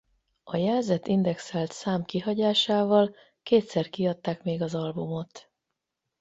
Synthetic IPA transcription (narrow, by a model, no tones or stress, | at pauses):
ɒjɛlzɛt̪ind̪ɛksɛlt̪saːmkiɦɒɟaːʃaːvɒl | keːt̪sɛrkiɒt̪ːaːkmeːɡɒzɒlbumo̞t̪